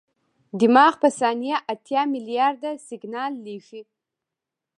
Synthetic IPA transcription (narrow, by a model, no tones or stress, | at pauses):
dimaχpʰasanijaʔatʰjamilijardasiɡnalːiʃi